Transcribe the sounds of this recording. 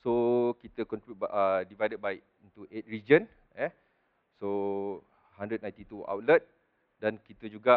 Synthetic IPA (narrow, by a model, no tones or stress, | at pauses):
sokit̪əkɔ̃nt̪ɾibutədivajdət̚baɪʔ | int̪uʔet̪̚ɹid͡ʒən | jɛ | so | handɾəd̪̚naj̃t̪it̪ua̰wt̪̚lət̪̚ | dankit̪əd͡ʒuɡa